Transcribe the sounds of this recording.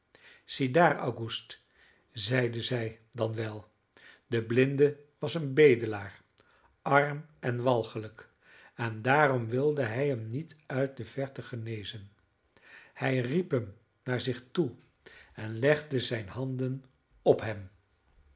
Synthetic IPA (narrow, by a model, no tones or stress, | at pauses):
z̥idaːɹa̰wɡust | zɛjdəzɛj | dɑnʋɛlˠ | dəblɪndəʋɑsənbejdəlaːr | ʔɑɹm | ʔɛnʋɑlˠχələk | ɛndaːɾɔmʋɪlˠdəɦɛjɦəmnitœɥt̚dəv̥ɛɹtəχənejzən | hɛjripɦəm | naːɹzɪχtu | ɛnlɛχdəzɛjnɦɑndən | ɔpɦɛm